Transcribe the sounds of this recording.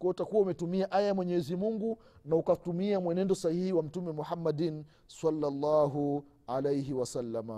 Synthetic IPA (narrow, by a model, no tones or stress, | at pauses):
kwɔɔtakuwaumɛtumiaʔajamwɛɲɛɛzimuŋɡu | naukatumiamwɛnɛndɔsahihiwam̩tumɛmuhamːadin | salːalːaːɦu | alejɦiwasalːama